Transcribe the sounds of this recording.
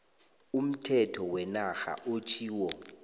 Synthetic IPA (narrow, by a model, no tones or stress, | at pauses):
um̩tʰɛtʰɔwɛnaxa̰ʔot͡ʃʰiːwɔ